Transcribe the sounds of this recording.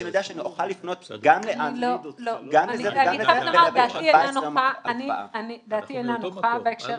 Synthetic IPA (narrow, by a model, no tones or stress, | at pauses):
njod̪eaʃeanioχalːifno̞t̪ɡamleanloloɡameieet̪lamadat̪ienanoaanianid̪aːt̪ienanoχabeekʃe